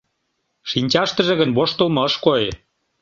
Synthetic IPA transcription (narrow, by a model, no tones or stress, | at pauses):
ʃinʲt͡ɕɑʃt̪ə̆ʒĕɣə̆nβoʃt̪olmɤ̆əʃkoe